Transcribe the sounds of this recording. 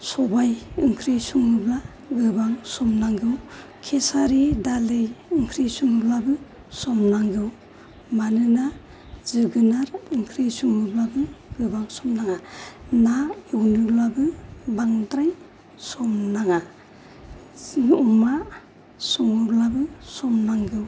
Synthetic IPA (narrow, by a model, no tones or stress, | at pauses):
sɔbajɯŋkʰɾisuŋɯbla | ɡɯbaŋsɔmnaŋɡɯw | kʰesaɾidalɯjɯŋkʰɾisuŋɯblabɯ | sɔmnaŋɡɯw | manɯna | zɯɡɯnaɾɯŋkʰɾisuŋɯblabɯɡɯbaŋsɔmnaŋanaewnublabɯbaŋdɾaj | sɔmnaŋa | uma | sɔŋɯblabɯsɔmnaŋɡɯw